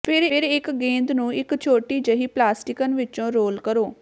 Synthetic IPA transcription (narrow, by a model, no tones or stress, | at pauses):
pʰɪɾɾɪkɡẽːnd̪nũːɪkt͡ʃʰoːʈiːd͡ʒəɦiːplaːsʈɪkənʋɪt͡ʃõːɾoːlkəɾoː